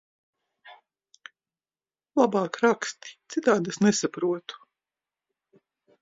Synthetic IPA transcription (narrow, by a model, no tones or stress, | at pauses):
lˠabɑːkɾakst̪i̥t̪sit̪aːd̪esnesapɾuɔt̪u̥